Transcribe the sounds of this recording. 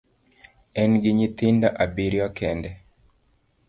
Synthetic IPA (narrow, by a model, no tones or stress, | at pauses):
ɛnɡɪɲit̪ɪndaʔabiɾjɔkʰɛndɛ